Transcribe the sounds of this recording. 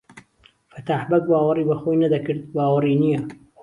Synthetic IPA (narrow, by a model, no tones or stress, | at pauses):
fɐt̪aːħbɐk̚baːwɐriːbɐxojnɐd̪ɐkɨɾd̪̚baːwɐriːnijɐ